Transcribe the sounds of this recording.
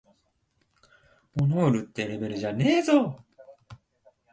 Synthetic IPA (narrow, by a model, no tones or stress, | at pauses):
mono̞ːɾɯ̟t̪ːe̞ɾe̞be̞ɾɯ̟ʑane̞ːzo